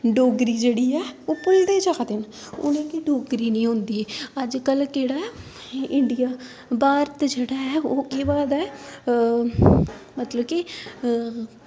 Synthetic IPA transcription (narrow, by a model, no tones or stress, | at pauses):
ɖoːɡɾiːd͡ʒeːɽiːɛːoːpʊld̪eːd͡ʒakʰd̪en | ʊ̰nẽːkiɖoːɡɾiːnĩːɦʊ̃nd̪iːɛːəd͡ʒkəlkeːɽaːɛ | ɪɳɖijaː | baːɾt̪d͡ʒeːɽaːɦɛːoːkeːbaːd̪ɛː | mət̪ləbki